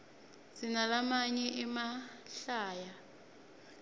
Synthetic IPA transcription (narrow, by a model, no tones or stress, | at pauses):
sinalamaɲɛʔimaɬaːja